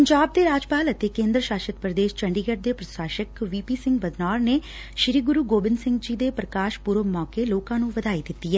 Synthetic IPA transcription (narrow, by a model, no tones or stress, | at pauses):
pəɲd͡ʒaːb̚d̪eːɾaːd͡ʒpaːlət̪eːkẽːnd̪ɾəʃaːʃət̪̚pɾəd̪eːʃt͡ʃəɳɖiːɡəʈ̚d̪eːpɾəsaːʃəkʋiːpiːsɪ̃ŋɡbəd̪naːɾneː | ʃɪɾiːɡʊɾuːɡoːbɪnsɪ̃ŋɡd͡ʒiːd̪eːpɾəkaːʃpuɾomɔːkeːloːkãːnũːʋəd̪aːiːd̪ɪt̪ːiːɛː